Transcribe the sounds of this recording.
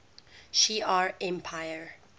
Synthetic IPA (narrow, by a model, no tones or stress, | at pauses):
ʃiaɹɛ̃mpʰaɪjəɹ